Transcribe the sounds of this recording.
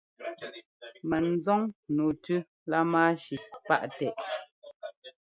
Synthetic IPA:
mɛ˨n̩˨˦zɔ˦ŋnu˨tʉ˦ | la˦maː˦ʃi˨pa̰˦ʔtɛ˨ʔ

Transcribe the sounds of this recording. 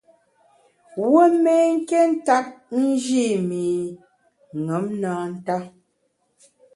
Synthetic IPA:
wə˦mɛ˦ŋ̩˦ke˦n̩˦ta˦p̚n̩˦d͡ʒi˦˨mi˨ | ŋə˨˦mnaː˨˦n̩˦ta˦

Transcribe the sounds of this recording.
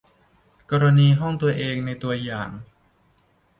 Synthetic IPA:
kɔː˧ɾa˧niː˧ɦɔ˥˩ŋt̪u˧ɐʔeː˧ŋna˧jt̪u˧ɐjaː˨˩ŋ

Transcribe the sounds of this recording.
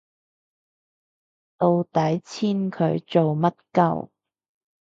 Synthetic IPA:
t̪o˧wt̪ɐ˨˥jt͡sʰiː˥nkʰɵ˨˧˥ɥt͡so˨wmɐ˥t̚kɐ̰˨˥w

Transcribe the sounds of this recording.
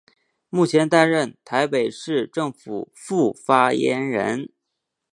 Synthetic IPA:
mu˥˩t͡ɕʰjɛ˧˥nt̪a˥nɻə˥˩nt̪ʰa˧˥ɪpe˨˩ɪʂɻ̩˥˧ʈ͡ʂɤ˥˩ŋfu˨˩ | fu˥˩fa˥jɛ̰˧˥nɻə̰˧˥n

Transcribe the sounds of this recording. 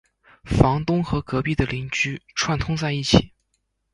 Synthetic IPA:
fɑ˧˥ŋt̪ʊ˥ŋxɤ˧˥kɤ˧˥pi˥˩d̪ə˩li˧˥ŋt͡ɕy˥ʈ͡ʂʰwa˥˩nt̪ʰʊ˥ŋt͡sa˥˧ɪi˥˩t͡ɕʰi˨˩˦

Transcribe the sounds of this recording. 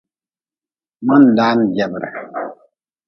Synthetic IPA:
mə˦n̩˨da˦n˨d͡ʒjɛ˨bɾə̰˨

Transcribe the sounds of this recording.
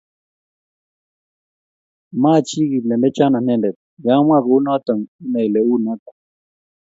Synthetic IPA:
ma˦˨t͡ʃi˦ɡi˨lɛ˨ndɛ˦t͡ʃa˦na˨n̥ɛ˦˨ndɛ˨t̪̚ja˦mwa˦˨ɣo˨u˦nɔ˦t̪ə˨ŋi˦nɛ˨jlɛ˨u˦˨na˦t̪a˨ŋ

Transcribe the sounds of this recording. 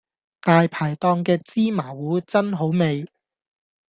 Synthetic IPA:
t̪aː˨jpʰaː˨˩jt̪ɔː˧ŋkɛː˧t͡siː˥maː˨˩wuː˨˥t͡sɐ˥nɦo˨˥wme˨j

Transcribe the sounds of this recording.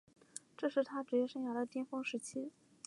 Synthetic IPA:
ʈ͡ʂɤ˥˧ʂɻ̩˥˩t̪ʰa˥ʈ͡ʂɻ̩˧˥t͡ɕjɛ˥ʂɤ˥˩ŋja˧˥d̪ə˨t̪jɛ˥nfɤ˥ŋʂɻ̩˧˥t͡ɕʰi˥

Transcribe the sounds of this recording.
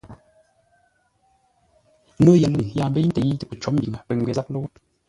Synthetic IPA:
no˦ja˨lə˨ŋ˨ja˨m˦bə˦i˦n̩˦te˨ji˦tə˦˨pə˨t͡ʃɔ˨˦mbi˨ŋə˨pə˨ŋ˨ɡwe˨za˦k̚lo˦w

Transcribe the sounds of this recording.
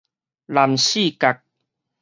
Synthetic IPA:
la˨˩mɕi˥˨ka˨˩k̚

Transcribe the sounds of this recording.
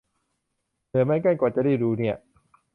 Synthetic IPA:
lɯ˨˦ma˧jka˥˩jkɔː˨˩t͡ɕa˨˩da˥˩jɾuː˧ni˥˩ɐ

